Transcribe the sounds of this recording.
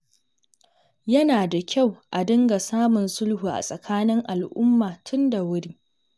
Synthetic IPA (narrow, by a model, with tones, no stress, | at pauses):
jɐ˦naː˨da˨kʲʰa˦˨wʔa˨dɪ˦ŋɡa˨saː˦mʊ˨nsʊ˦lhuː˨ʔa̰˨sʼɐ˨kʰaː˦nɪ˦ŋʔa˨lʔʊ˦mːaː˨tʰʊ˦nda˨wʊ˦ɽiː˦